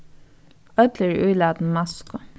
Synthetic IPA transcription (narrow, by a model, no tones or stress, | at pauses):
œd̪ləɹ̰ʔʉːlæːd̪n̩mɑskʊ